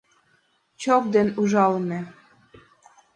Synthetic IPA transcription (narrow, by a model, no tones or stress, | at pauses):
t͡ɕok̚d̪enuʒɑlne